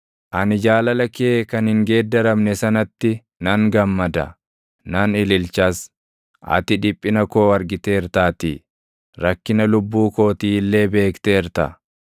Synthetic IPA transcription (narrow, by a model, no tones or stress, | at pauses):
ʔɐnɪd͡ʒaːlɐlɐkeːkɐnhɪŋɡe̞ːd̪ːɐɾɐmnɛsɐnɐt̪ːɪ | nɐŋɡɐmːɐd̪ɐ̰ | nɐnɪlɪlt͡ʃɐs | ʔɐ̰t̪ɪᶑɪpʼːɪnɐko̞ːɐɾɡɪt̪e̞ːɪɾt̪aːt̪ḭː | ɾɐkːɪnɐlʊbːuːko̞ːt̪iːlːe̞ːbe̞ːkt̪eːɪɾt̪ɐ̰